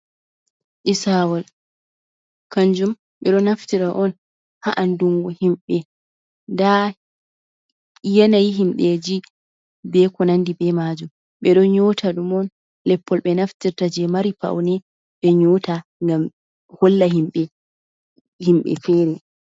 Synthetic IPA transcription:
ʔisawal | kaɲd͡ʒum | ɓɛɗɔnaftiɾaʔɔn | haʔanduŋɡɔhimɓɛ | nda | jɛnajiɦimɗed͡ʒi | bɛkɔnandibɛmad͡ʒum | ɓɛɗɔɲɔtʰaɗumɔn | lɛpʰːɔlɓɛnaftiɾtad͡ʒɛmaɾipa̰wnɛ | ɓɛɲɔtaŋɡam | holːahimɓɛ | himɓɛ̰fɛɾɛ

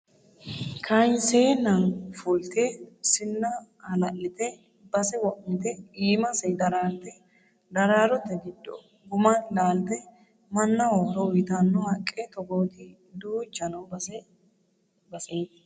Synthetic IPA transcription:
kʰɐnseːnɐnfuːlt̪esɪnːɐ | ɐlɐʔɪt̪ɛ | bɐsɛwɔʔmɪt̪ɛiːmɐsɛjd̪ɐɾaːlt̪ɛ | d̪ɐɾaːɾɔt̪ːɛɡɪd̪ːɔ̰ | ɡʊmɐnlaːlt̪ɛ | mɐnːɐwɔɾɔwɪt̪ɐnːɔhɐkʼːɛt̪ɔɡoːt̪i | d̪uːd͡ʒɐnɐwbɐsɛ | bɐsejt̪

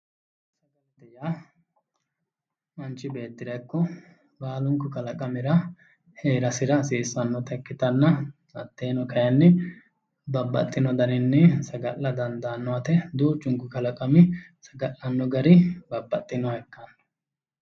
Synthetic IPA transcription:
sɐɡɐlt̪ɛja | ɐnt͡ʃːɪbe̞ːt̪ːɪɾɐkːɔ | baːlʊŋkːʊkɐlɐkʼɐmɪɾɐ | heːɾɐsɪɾɐsiːsːɐnːɔt̪ɐkːɪt̪ɐnːɐ | ɐt̪ːe̞ːnɔkɐjɐnːɛ | bɐbːɐ̰t̪ʼːɪnɔd̪ɐnɪnːɛsɐɡɐʔːɐd̪ɐnd̪ɐːnːɔɐt̪ɛd̪uːt͡ʃːʊŋkʊkɐlɐkʼɐmɪ | sɐɡɐʔɐnːɔɡɐɾɪbɐbːɐt̪ʼːɪnɔhɛkːɐnːɔ̥

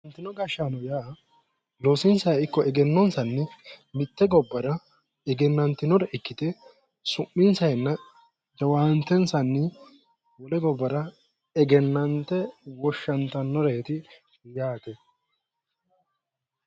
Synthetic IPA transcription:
ɐnt̪ːɪnɔɡɐʃːanɔjaː | loːsɪnsɐjɪkːɔɛɡɛnːɔnsɐnːɛmɪt̪ːɛɡɔbːɐɾɐ | ɛɡɛnːɐnt̪ːɪnɔɾɛʔɪkːɪt̪ɛ | sʊmːɪnsɐjnːɐ | d͡ʒɐwaːnt̪ːɛnsɐnːɪ | wɔlɛɡɔbːɐɾɐ | ɛɡɛnːɐnt̪ːɛwɔʃːɐnt̪ɐnːɔɾeːt̪ɪ | jaːt̪ɛ

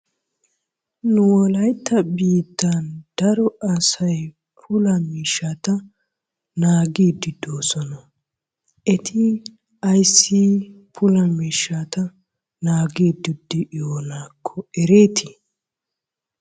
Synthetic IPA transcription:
nʊwɔlɐjt̪ʰːɐbiːt̪ːɐnd̪̥ɐɾɔɐsɐj | pʰʊlɐmiːʃːat̪ɐ | naːɡiːd̪ɪd̪oːsɔnɐ | ʔɛt̪ʰɪ | ɐjsːi | pʰʊlɐmiːʃːat̪ɐ | naːɡiːd̪ɪd̪ːɪʔjoːnaːkʰːɔɛɾeːt̪ʰɪ

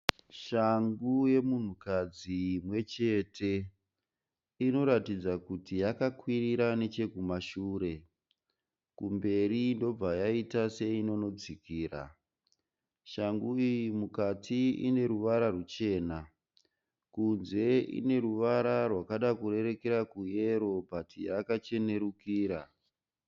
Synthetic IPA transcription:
ʃaŋɡuje̞mun̤ukad͡zimwe̞t͡ʃe̞tʰe̞ | ino̞ɾatid͡zakutijakakwiriɾane̞t͡ʃe̞kumaʃuːɾe̞ | kumbe̞ɾindo̞b͡vajaitase̞ino̞no̞d͡zikiːra̰ | ʃaŋɡuijimukatʰiḭne̞ɾuʋaɾarut͡ʃe̞ːna | kunze̞ḭne̞ɾuʋaɾarwakaɗakure̞ɾe̞ke̞ɾakuje̞ɾo̞patijakat͡ʃe̞ne̞ɾukiːɾa

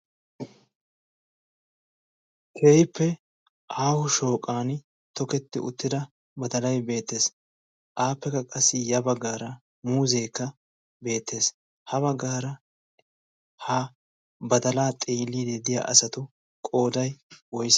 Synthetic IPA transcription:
kʰeːjɪpːɛ | ʔaːhʊʃo̞ːkʼaːnɪ | t̪ɔkɛt̪ːɪʊ̰t̪ːɪd̪ɐ | bɐd̪ɐlɐjbe̞ːt̪ːe̞ːs | ʔaːpːɛkɐkʼɐsːɪjɐbɐɡːaːɾɐ | muːzeːkːɐ | be̞ːt̪ːe̞ːs | hɐbɐɡːaːɾɐ | hɐ | bɐd̪ɐlaːt̪ʼiːlːiːd̪ed̪ɪja̰ːʔɐ̰sɐt̪ʊ | kʼo̞ːd̪ɐjwɔjs

